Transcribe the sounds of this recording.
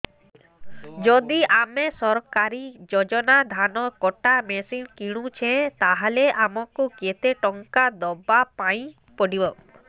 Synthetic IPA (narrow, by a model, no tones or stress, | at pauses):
d͡ʒɔd̪iamesɔɾkaɾid͡ʒɔd͡ʒɔnad̪ʱanɔkɔʈamesinkiɽ̃ũt͡ʃʰẽt̪aɦaleʔamɔkuket̪eʈɔŋkad̪ɔbapaĩ | pɔɖibɔ